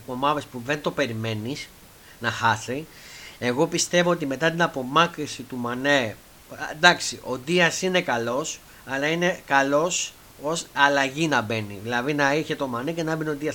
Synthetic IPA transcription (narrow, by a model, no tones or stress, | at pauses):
po̞mɐve̞spuðe̞nt̪o̞pe̞ɾime̞nis | nɐxɐθi | e̞ɣo̞pist̪e̞voot̪̬ime̞t̪ɐt̪̬inɐpo̞mɐkɾisit̪umɐne | d̪ɐksiʔo̞d̪iɐsine̞kɐlo̞s | ɐlɐine̞kɐlo̞s | o̞sɐlɐʝinɐbe̞niðilɐðinɐiçe̞t̪o̞mɐnecenɐbenod̪iɐs